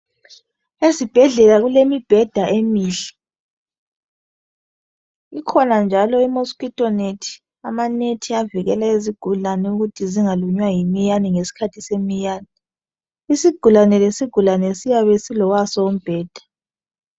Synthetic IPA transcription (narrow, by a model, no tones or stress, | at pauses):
ezib̥ʱɛɮɛlaɣulemib̥ʱɛd̥ʱaʔemiːɬɛ | ikʰɔnand͡ʒʱalɔimoskitʼɔnetʰi̥ | amanetʰiaviɣɛlaeziɡ̥ʱulanɛuɣutʰiziŋaluɲwajimijaniŋesi̥kʰatʰisemijaːni | isiɡ̥ʱulanɛlesiɡ̥ʱulanɛsijaβesilɔwasɔum̩b̥ʱɛːd̥ʱḁ